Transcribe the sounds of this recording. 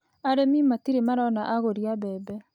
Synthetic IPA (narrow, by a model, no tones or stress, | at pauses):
aɾemimatiɾemaɾaɔnaʔaɣoɾiabɛːbɛ